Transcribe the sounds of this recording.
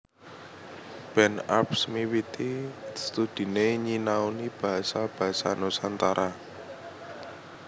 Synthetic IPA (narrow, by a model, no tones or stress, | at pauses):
b̥ɛnapsmiwit̪ist̪ud̪̥i̤neɲinawnib̥a̤ɦasab̥a̤ɦasa̰nosant̪aɾʔa